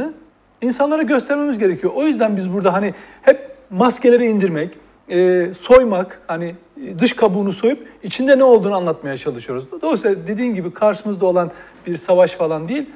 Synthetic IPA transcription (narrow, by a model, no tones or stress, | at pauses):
ɯ | insanlˠaɾaɟøst̪ʰɛɾme̞mizɟe̞ɾecʰijoʔojyzd̪ænbizbuɾd̪aɦanihɛp̚mascʰe̞lʲeɾɛind̪iɾmɛc | ɛːso̞jmakhani | d̪ɯʃkʰabuːnuso̞jupit͡ʃʰind̪ɛnɛo̞lˠd̪uːnuanlˠat̪majat͡ʃʰalˠɯʃɯjo̞ɾuzd̪o̞sad̪e̞d̪iːnɟibikʰaɾʃɯmɯzd̪ao̞lˠan | biɾsavaʃfalˠand̪ijilʲ